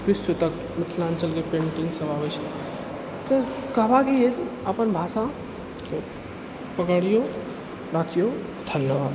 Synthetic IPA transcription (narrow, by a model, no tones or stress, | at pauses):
kɾɪsot̪ək | mɪt̪ʰlant͡ʃəlkepẽɳʈiŋsəbabɛt͡ʃʰɛ | t̪əkəɦbakied̪əpənbʱasa | ke | pəkaɾijo | ɾakʰijo | d̪ʱənjəʋad̪